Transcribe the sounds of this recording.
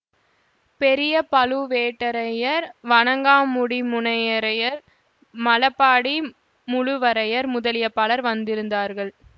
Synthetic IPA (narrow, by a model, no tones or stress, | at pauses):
pɛɾɪjɐpɐlɯʋeːʈːɐɾɐjɐɾʋɐɳɐŋɡaːmʊɽimʊnɐjɐɾɐjɐɾ | mɐlɐpːaːɽi | mʊɻʊʋɐɾɐjɐɾmʊðɐlɪjɐpːaːlɐɾʋɐnd̪ɪɾɯnd̪aːɾɣɐɭ